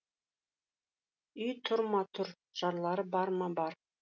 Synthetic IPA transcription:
yjt̪ʰʊɾmɑt̪ʰʊɾ | ʒ̥ɑɾlˠɑɾɤbɑɾmɑbɑɾ

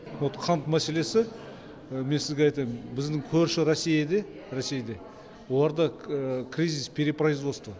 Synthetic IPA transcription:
not̪qʰɑnt̪mæse̞le̞sɪ | me̞nsɪzɡʲeɑjt̪ɑjmbɪzd̪ɪŋkʲʰɵɾʃɪɾosːijad̪e̞ | ɾosejd̪e̞ | wo̞lˠɑɾd̪ɑkʲʰɾʲijzʲispʲʰeɾʲepraizwost̪ə

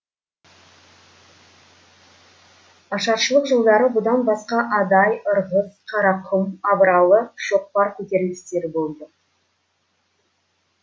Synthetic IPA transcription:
ɑʃɑɾʃəlˠəqʒəlˠd̪ɑɾəbʊd̪ɑnbɑsqɑʔɑd̪ɑjəɾʁəzqʰɑɾɑqʰʊmɑbəɾɑlˠəʃo̞q̚pɑɾkʲʰɵt̪e̞ɾlɪst̪e̞ɾɪbo̞lˠd̪ə

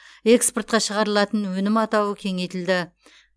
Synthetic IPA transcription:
e̞kspo̞rt̪̚qɑʃəʁɑɾəlˠɑt̪ənwɵnɪmɑt̪ɑwəkʲʰe̞ŋe̞jt̪ɪld̪ɪ

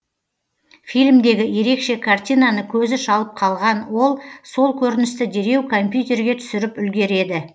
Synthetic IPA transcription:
fijlmd̪e̞ɡʲɪje̞ɾe̞kʃe̞kʰart̪ʲijnɑnəkʲʰɵzɪʃɑlˠəp̚qʰɑlˠʁɑnwo̞lˠso̞lˠkʲʰɵɾɪnɪst̪ɪd̪e̞ɾe̞wkʰo̞mpʲjut̪ʲe̞ɾɡʲe̞t̪ʰʏ̥sɪɾɪpʏlɡʲe̞ɾe̞d̪ɪ

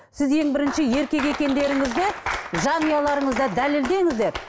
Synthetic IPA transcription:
sɪzje̞ŋbɪɾɪnʃɪje̞ɾkʲe̞k̬e̞kʲe̞nd̪e̞ɾɪŋɪzd̪ɪʒɑnijɑlˠɑɾəɴəzd̪ɑd̪æleld̪e̞ŋɪzd̪e̞ɾ

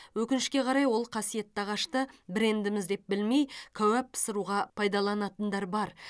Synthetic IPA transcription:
wɵkʲɪnɪʃkʲe̞qʰɑɾɑjwo̞lˠqʰɑsije̞t̪ːɑʁɑʃt̪əbɪɾe̞nd̪ɪmɪzd̪e̞p̚bɪlmejkʲʰæwæp̚səɾuʁɑpʰɑjd̪ɑlˠɑnɑt̪ənd̪ɑɾbɑɾ

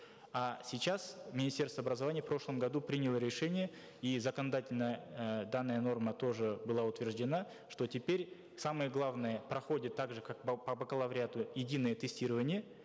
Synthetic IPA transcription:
asʲɪt͡ɕasmʲɪnʲɪsʲtʲest̪vəɐbɾəzɐvanʲɪjəfpɾo̞ʂlˠəmɡɐd̪upɾʲinʲɪlˠəɾʲɪʂɛnʲɪjə | izəkənɐd̪atʲɪlʲnəjəd̪anːəjəno̞rmət̪o̞ʐɨbɨlˠaʊt̪vʲɪrʐdʲɪna | ʂt̪o̞tʲɪpʲeɾʲ | saməjəɡlˠavnɨjəpɾɐxo̞dʲɪt̪ːaɡʐɨkak̚bpəbəkəlˠɐvɾʲɪat̪ʊjɪdʲinɨjət̪ɨsʲtʲiɾəvənʲɪjə

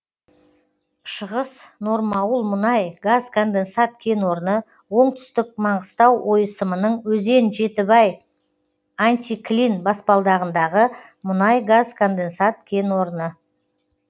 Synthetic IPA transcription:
ʃəʁəsnoɾmɑwəlˠmʊnɑjɡazkʰo̞nd̪e̞nsat̪̚kʲʰe̞nwo̞ɾənə | wo̞ɴt̪ʏ̥st̪ɪk̚mɑɴʁəst̪ɑwwʔo̞jəsəmənəɴwɵze̞nʒe̞t̪ɪbɑj | ant̪ʲiklinbɑspɑlˠd̪ɑʁənd̪ɑʁə | mʊnɑjɡazkʰo̞nd̪e̞nsat̪̚kʲʰe̞nwo̞ɾənə

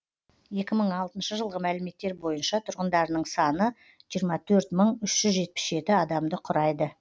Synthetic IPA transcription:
je̞kʲɪməɴɑlˠt̪ənʃəʒəlˠʁəmælɪme̞t̪ːe̞ɾbo̞jənʃɑt̪ʰʊɾʁənd̪ɑɾnəɴsɑnə | ʒijəɾmɑt̪ʰɵɾt̪məɴʏʃʒ̥ʏzʒe̞t̪̚pɪ̥sʒe̞t̪ɪɑd̪ɑmd̪əqʰʊɾɑjd̪ə

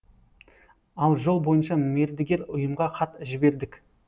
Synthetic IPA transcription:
ɑlˠʒo̞lˠbo̞jənʃɑme̞ɾd̪ɪɡʲeɾʊjəmʁɑqʰɑt̪ʒɪbe̞ɾd̪ɪkʲ

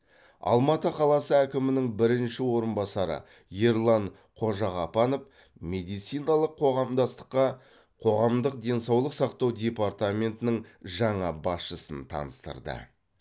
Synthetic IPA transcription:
ɑ̰lˠmɑt̪əqʰɑlˠɑsəækʲɪmɪnɪŋbɪɾɪnʃɪwo̞ɾənbɑsɑɾə̰ | je̞ɾlˠɑɴ | qʰo̞ʒɑʁɑpɑno̞f | mʲe̞d̪ijt̪sijnɑlˠəqʰːo̞ʁɑmd̪ɑst̪ə̥qːɑ | qʰo̞ʁɑmd̪əq̚d̪ʲe̞nsɑwlˠəqsɑqt̪ɑwd̪ʲe̞part̪amʲe̞nt̪ɪnɪŋʒɑɴɑbɑsʃəsənt̪ʰɑ̰nəst̪ə̰ɾd̪ə̰

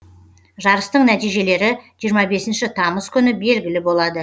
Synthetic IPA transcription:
ʒɑɾəst̪əɴnæt̪ijʒe̞le̞ɾɪʒijəɾmɑbe̞sɪnʃɪt̪ʰɑməskʲʰʏnɪbe̞lɡʲɪlɪbo̞lˠɑd̪ə

